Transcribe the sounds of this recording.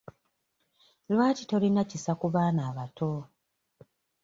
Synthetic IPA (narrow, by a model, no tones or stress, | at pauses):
lwaːtito̞linacisakuβaːnaːβatʰo